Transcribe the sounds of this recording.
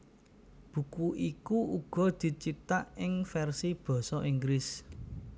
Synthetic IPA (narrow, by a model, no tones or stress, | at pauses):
b̥ṳkuʔikuuɡ̥ɔ̤d̪̥i̤t͡ʃit̪aʔɪŋfɛrsib̥ɔ̤sɔʔiŋɡɾɪs